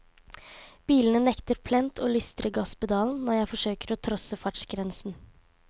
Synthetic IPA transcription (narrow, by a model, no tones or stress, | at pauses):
b̥iːlənənɛkt̪əɾpʰlɛnt̪ʰoːlʏst̪ɾəɡɑsbəd̪ɑːln̩nɔɾjæɪfɔʂøːkəɾɔːt̪ʰɾɔsəfɑʈʂɡɾɛnsn̩